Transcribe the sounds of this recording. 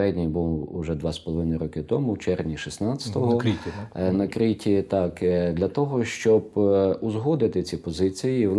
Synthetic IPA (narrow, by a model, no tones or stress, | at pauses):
ɛdʲnʲijbulˠṵʒɛd̪ʋɑspɔlˠɔʋɪnɪjɾɔkɪt̪ɔmʊt͡ʃɛrd̪ʲnʲiʃisnɑt͡sʲɐ̥t̪ɔɦɔ | nɐkɾɪtʲit̪ɑkd̪lʲɐt̪ɔɦɔʃt͡ʃɔbʊzɦɔd̪ɪt̪ɪt͡sʲipɔzɪt͡sʲijiw̪ˠ